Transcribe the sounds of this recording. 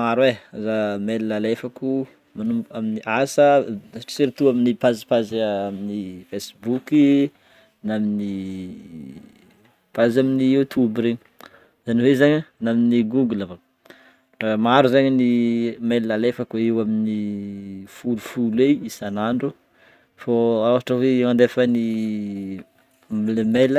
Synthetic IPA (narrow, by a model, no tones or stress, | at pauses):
maɾwezamelilalefaku | manumaminiʔasəʈ͡ʂsiɾit̪uaminipazi̥pazaminifesbuki | namini | pazaminiut̪ʰubɾeɲi̥ | zaniwezaɲanaminiɡuɡləva | ramaɾuzaɲanimelːalefəkoewamini | fulufuleisanaɳɖ͡ʐu | foawaʈ͡ʂəweand̪efani | milemelə